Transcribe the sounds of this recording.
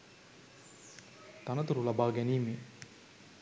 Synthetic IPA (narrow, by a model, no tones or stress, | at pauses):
t̪anət̪uɾulabaːɡɛniːme